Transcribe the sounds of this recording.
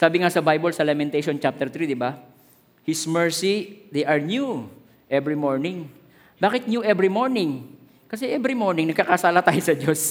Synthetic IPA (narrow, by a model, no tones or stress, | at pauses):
saːbɪŋasɐbajbɐlsɐlamɛnt̪ejʃont͡ʃap̚t̪ɛɹt̪ɾid̪ɪba | hɪsmɛɹsid̪ɛjʔɐɹnju | ʔɛbɹimoɹnɪŋ | baːkɪt̪̚njuʔɛbɾimoɹnɪŋ | kɐsɛʔɛbɾimoɹnɪŋnɐɡ̚kɐkɐsaːlɐt̪aːjosɐd͡ʒos